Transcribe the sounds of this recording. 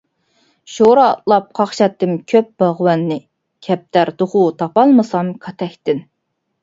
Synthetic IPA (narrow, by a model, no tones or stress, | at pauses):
ʃoɾɑt̪lˠɑp̚qʰɑχʃɑt̪ːɨmkʲʰøp̚bɑʁwɑnːɪ | kʲʰɛp̚t̪ʰæɾd̪oʁut̪ʰɑpɑlˠmɨsɑmkʰɑt̪ʰɛkʲt̪ɪn